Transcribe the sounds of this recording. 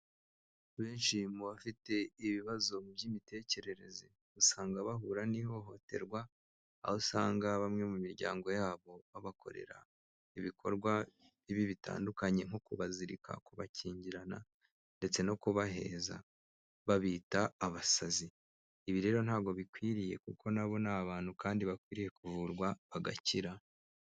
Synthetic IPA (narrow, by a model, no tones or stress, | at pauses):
βeːnʃimuβafite̞iβiβazo̞bɟimite̞ːce̞ɾe̞ɾe̞ze | usaːŋɡaβaɦuɾaniho̞ɦo̞te̞̰ɾɡwa̰ː | hosaːŋɡaβamŋe̞mumiɾɟa̰ːŋɡo̞jaːβo̞βaβakʰo̞̰ɾe̞̰ɾa̰ | iβikʰo̞̰ɾɡwa | βiβiβita̰ːndukaɲe̞ŋ̥okuβaziɾika̰kuβaciːɲɟiɾana̰ | nde̞t͡se̞no̞kuβaɦe̞̰ːza̰ | βaβiːtaːβasaziː | βiɾe̞ːɾo̞n̥haːɡo̞βikwiːɾije̞kuko̞naβo̞naβaːn̥hukaːndiβakwiːɾije̞kuvuɾɡwaβaɡa̰ciɾa